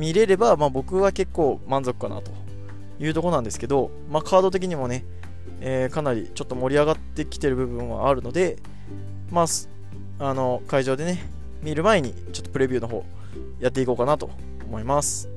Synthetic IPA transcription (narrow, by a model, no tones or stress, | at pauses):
mʲiɾe̞ɾe̞bamaːbo̞kɯ̟βake̞kːo̞ːmãnzo̞kɯ̟̥kana̰t̪o̞ | jɯ̟ːt̪o̞ko̞nãnd̪esɨ̥ke̞d̪o̞ | maːkʰaːd̪o̞t̪̬e̞k̬ʲiɲ̟imo̞ne̞ | eːkanaɾʲḭt͡ɕo̞t̪ːo̞mo̞ɾʲiaɡat̪ːe̞kʲi̥t̪e̞ɾɯ̟bɯ̟bɯ̟̃ɰ̃βa̰ːɾɯ̟no̞d̪e̞ | maːs | ano̞kaiʑo̞ːd̪e̞ne̞ | mʲiɾɯ̟maeɲ̟ḭ | t͡ɕo̞t̪ːo̞pɯɾe̞bʲɯːno̞ɦo̞̰ː | jat̪ːe̞iko̞ːkanat̪o̞̰ː | mo̞imasɨ̥